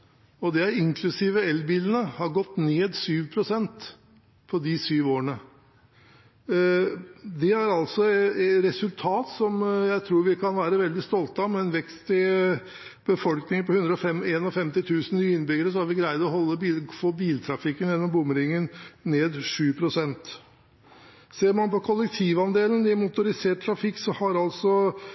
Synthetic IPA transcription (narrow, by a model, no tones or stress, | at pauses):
ɔd̪ɛæɪŋkʰlʉsiːʋəɛlbiːlənəhɑɾɡɔt̪ːneːd̪syːʋpʰɾʊsɛnt̪ | pʰɔd̪ɪsyːʋoːəɳə | d̪ɛæɾɑlsɔɾɛsʉlt̪ʰɑːt̪sɔmjæɪt̪ʰɾuːɾʋɪkʰɑnʋæːɾəʋɛld̪ɪst̪ɔlt̪ɑmɛnʋɛkst̪ɪ | b̥əfɔlknɪŋpɔhʉnd̪ɾəɔfɛmeːnɔfɛmt̪ɪt̪ʰʉːsn̩nyːəɪnːbʏɡəɾəsɔæɾʋɪɡɾæɪd̪ɔɦɔlːəbifoːbiːlt̪ʰɾɑfɪkːənjɛnːɔmbʊmːəɾɪŋːənneːd̪ʂʉːpʰɾʊsɛnt̪ | seːɾmɑnpɔkʰɔlːək̚t̪ʰiːʋɑnd̪eːlənd̪ɪæmʊt̪ʊɾɪseːʈ̚t̪ʰːɾɑfɪkːsɔhɑɾɑlsɔ